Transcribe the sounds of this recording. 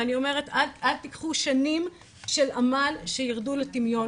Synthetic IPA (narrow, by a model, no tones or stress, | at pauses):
anio̞me̞ʁetadʔalt̪ikχuʃanim | ʃe̞lamalʃejiʁduletimjo̞